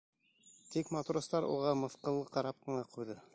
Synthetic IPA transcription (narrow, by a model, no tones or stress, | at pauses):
t̪ikmat̪uɾost̪ɑɾṵʁɑmɤ̆θqɤ̆lˠːɤqɑɾɑp̚qɤ̆ɴɑqujðɤ